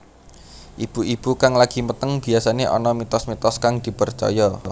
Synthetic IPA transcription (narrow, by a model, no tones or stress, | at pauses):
ʔib̥uib̥ukaŋlaɡ̥i̤mət̪əŋb̥i̤asaneʔɔ̰nɔmit̪ɔsmit̪ɔskaŋd̪̥i̤pərt͡ʃɔ̰jɔ